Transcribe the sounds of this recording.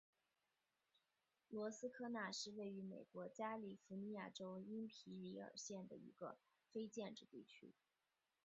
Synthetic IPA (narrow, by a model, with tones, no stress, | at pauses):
lwɔ˧˥sɹ̩˥kʰɤ˥˧na˥˧ʂɻ̩˥˧we˥˩ɪy˧˥mḛ˨˩ɪkwɔ˧˥t͡ɕja˥li˨˩fu˧˥ni˧˥ja˥˩ʈ͡ʂo˥ʊi˥npʰi˧˥li˧˥ə̰˞˨˩ɕjɛ˥˩nd̪ə˩ḭ˧˥ɡə̰˧ | fe˥ɪt͡ɕjɛ˥˧nʈ͡ʂɻ̩˥˧t̪i˥˩t͡ɕʰy̰˥